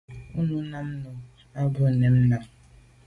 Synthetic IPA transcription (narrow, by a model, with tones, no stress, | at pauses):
ʊ˦nʊ˦na˦m̩˦nʊ˨ | a˦bʊ˦˨ne˨m̩˦na˨